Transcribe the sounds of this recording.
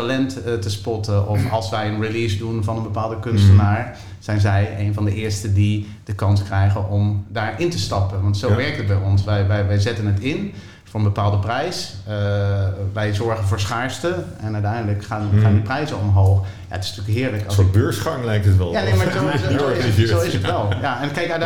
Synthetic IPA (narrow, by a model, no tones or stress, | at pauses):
talɛnttəspɔtəʔɔfɑlˠsʋɛjənriliːsdunfɑnənbəpaːlˠdəkʏnstənaːɹ | z̥ɛjnzɛjejnvɑndəʔɪːɹstədi | dəkɑnskrɛjɣənɔmdaːɹɪntəstɑpənʋɑntsoʋɛrɹk̚tət̚bɛjɔnsʋɛjʋɛjʋɛjzɛtənɦətɪn | fʊːɹənbəpaːlˠdəprɛjsə | ʋɛjzɔɹɣənvʊːɹsχaːɹstəɛnœɥtɛjndələkxanxaːndiprɛjzəɔmɦoːx | ja̰ətɪ̥sntyəkɦɪːɹləkst̚bøːɹsχɑŋlɛjk̚tətʋɛljanejmazo | owɪsətʋɛlˠjaɛnkɛjka